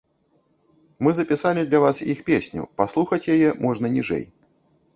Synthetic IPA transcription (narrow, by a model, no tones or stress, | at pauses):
mɨzɐpʲisalʲid̪lʲɐvasjixpʲesʲnʲṵpaslˠuxɐt͡sʲjajɛmɔʐnɐnʲiʐɛ̰j